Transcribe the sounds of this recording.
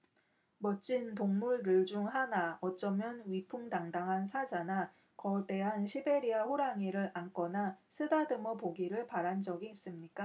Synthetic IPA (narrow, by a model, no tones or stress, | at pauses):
mʌt͡ɕ͈intoŋmuɭdɯɭd͡ʑuŋɦanaʌt͡ɕ͈ʌmjʌnɥipʰuŋdaŋdaŋɦansʰad͡ʑana | kʌte̞ɦanɕʰibeɾiaɸoɾaŋiɾɯɾank͈ʌnasʰɯdadɯmʌpoɡiɾɯɭpaɾand͡ʑʌɡiːs͈ɯmɲik͈a